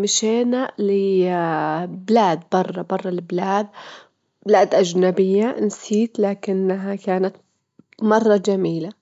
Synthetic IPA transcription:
mɪʃeːnalɪ | bɪlaːd̪bɑrˤːɑbɑrˤːɑlɪblaːd̪ | b̥laːd̪ʔad͡ʒnabɪjːaʔnsiːt̪laːkɪnːaɦakaːnat̪ | mɑrˤːɑd͡ʒamiːla

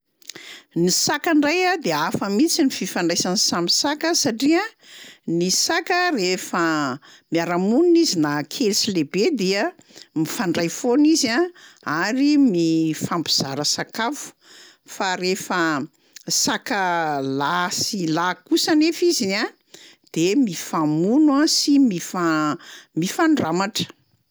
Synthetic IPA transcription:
nisakaɳɖ͡ʐajad̪eafəmit͡sinififaɳɖ͡ʐajsanisamisakəsaʈ͡ʂiənisakərefə | miaɾamuninizinakʰelsilebed̪eə | mifaɳɖ͡ʐajfonizaaɾimifambiz̥aɾəsakafu̥ | faɾefə | sakəlasilakusanefizina | d̪̥emifamunwasimifamifaɳɖ͡ʐamaʈ͡ʂə̥

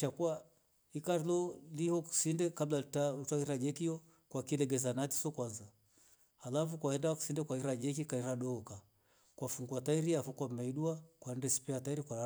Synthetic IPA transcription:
t͡ʃakua | ikaɾilɔlihɔku̥sindɛkablatautaiɾad͡ʒɛkijɔ | kwakilɛɡɛzanati̥sɔkwanzaː | lafukwahɛndawaku̥sindɛkwaiɾad͡ʒɛk̬ikaiɾaɗɔɔka | kwafuŋɡwataiɾiafɔkwamɛiɗuakwaɛndɛsi̥pɛataiɾikwaa

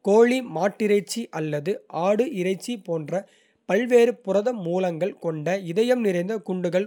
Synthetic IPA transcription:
koːɭimaːʈːɪɾɐɪt͡ʃːiʔɐlːɐðɯʔaːɽɯʔɪrɐɪt͡ʃːipoːndrɐ | pɐlʋeːɾɯpʊrɐðɐmːuːlɐŋɡɐɭkɔɳɖɐɪðɐjɐmnɪrɐɪnd̪ɐkʊɳɖɯɣɐɭ

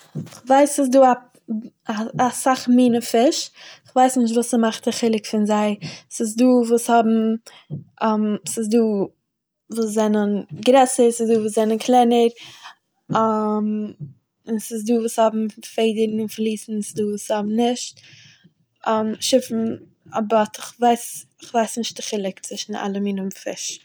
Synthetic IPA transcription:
ɪχvaɪsɪs̬duːa | aasaχmiːnəfɪʃɪχvaɪsnɪʃ̬tvuːsəmaχtaχɪlˠɪkfɪnzaɪsɪs̬duːvuːshɔbm̩ | ɛmsɪsduː | vuːszɛnənɡɾɛsəɾsɪsduːvuːszɛnənkʰlˠɛnəɾ | am | ɪnsɪs̬duːvuːshɔbm̩feɪdəɾnɪnflˠiːsn̩sɪsduːvuːshɔbm̩nɪʃt | amʃɪfn̩ | abɔtʰɪχvaɪsɪχvaɪsnɪʃt̚dɪχɪlˠɪkt͡svɪʃn̩a̰lˠəminʊnfɪ̰ʃ

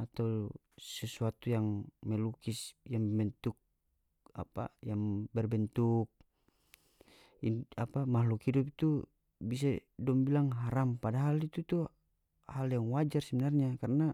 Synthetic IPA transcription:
at̪aw | sɛsuat̪ujaŋmɛlukisjaŋbɛbɛnt̪uk̚ | a̰pa̰jaŋbɛrbɛnt̪uk̚ | apamaɦlukhidup̬t̪u | bis̬adɔmbilaŋɦaɾampadaɦalit̪ut̪u | haljaŋwad͡ʒarsɛbɛnarɲakarna

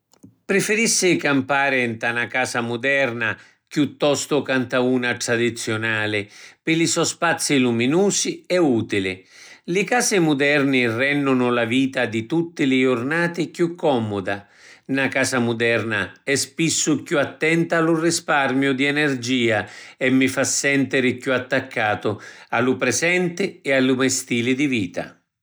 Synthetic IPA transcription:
pɾɪfɪɾisːɪkampaːɾɪnt̪anakaːsamʊd̪ɛrna | kjut̪ːɔst̪ʊkant̪auːnaʈ̪ɾad̪it̪sːjʊnaːlɪpɪlisɔspat̪sːiluminuːsiɛuːt̪ilɪ | lɪkaːsɪmʊd̪ɛrnɪrɛnːʊnʊlaviːt̪ad̪it̪ut̪ːɪlɪʊrnaːt̪ɪkjukʰːɔmʊd̪a | nakaːsamʊd̪ɛrnaɛspisːʊkjuat̪ːɛnt̪aalʊrɪsparmjʊd̪iɛnɛrd͡ʒiːaɛmːɪfasːɛnt̪ɪɾɪkuat̪ːakːaːt̪ʊalʊpɾɛsɛnt̪ɪɛalːumɛst̪iːlɪd̪iviːt̪a̰

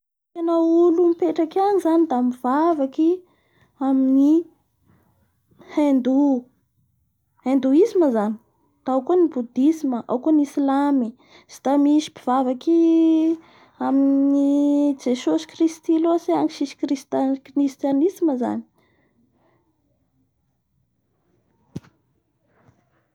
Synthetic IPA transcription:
kanaulumipeʈ͡ʂakanizanid̪amiv̥avaki | amini | hend̪u | hend̪uisiməzani̥ | d̪̥aawkonibud̪isiməʔa̰wkonisilami | z̥i̥t̪amiʃi̥piv̥avaki | aminid͡ʒesosi̥krist̪iloseaŋkiʃisi̥krist̪krist̪janisiməza̰ni̥

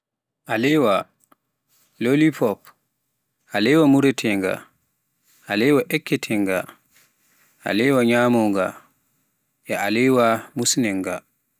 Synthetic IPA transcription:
ʔalɛwa | lolipɔp | ʔalɛwamuɾɛtʰɛŋɡa̰ | ʔalɛwaʔɛkːɛtʰɛŋɡa | ʔa̰lɛwaɲaːmɔŋɡa̰ | ʔɛʔalɛwamusnɛŋɡa̰

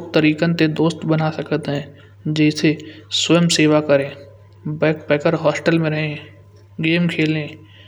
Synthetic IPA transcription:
k̚t̪əɾiːkə̃nt̪ed̪oːst̪bənasɐkt̪ɦɛ̃ː | d͡ʒɛːseswemseːwakəɾẽː | bɛːk̚pɛːkəɾɦɔːsʈəlmẽɾɐɦẽ | ɡeːmkʰeːlẽː

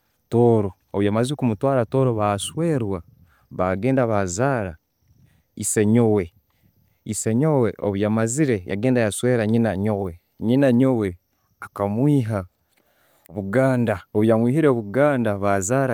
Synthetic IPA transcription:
to̞ːɾo̞ːβwjamaziikumutwaːɾato̞ːɾo̞βaswe̞ːɾwa | βaɡe̞ːndaβazaːɾa̰ | iseɲo̞we̞ | iseɲo̞weʔo̰βujamaziɾe̞ja̰ɡe̞ːndajaswe̞ːɾaɲinaɲo̞we̞ | ɲinaɲo̞we̞ | akamwiːɦa | oβuɡaːndaoβujamwiːhiɾeβuɡaːndaβazaːɾa

